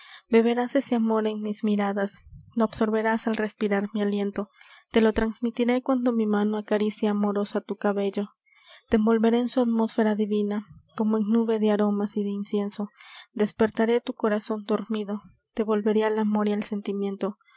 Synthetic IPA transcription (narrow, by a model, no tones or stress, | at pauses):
be̞βe̞ɾase̞se̞amo̞ɾe̞ŋmizmiɾaðasnoːbso̞ɾβe̞ɾasalre̞spiɾaɾmialje̞nt̪o̞t̪e̞lo̞t̪ɾanzmit̪iɾe̞kwand̪o̞mimano̞akaɾisjaamo̞ɾo̞sat̪ukaβe̞ʝo̞ | t̪eembo̞lβe̞ɾe̞ːnsuat̪mo̞sfe̞ɾaðiβinako̞moeŋnuβe̞ðe̞aɾo̞masiðe̞insje̞nso̞d̪e̞spe̞ɾt̪aɾe̞t̪uko̞ɾaso̞nd̪oɾmiðo̞ | t̪e̞βo̞lβe̞ɾealamo̞ɾialse̞nt̪imjẽ̞nt̪o̞